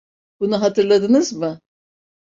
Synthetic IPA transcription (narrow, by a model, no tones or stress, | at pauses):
bunuɦat̪ʰɯɾlˠad̪ɯnɯzmɯ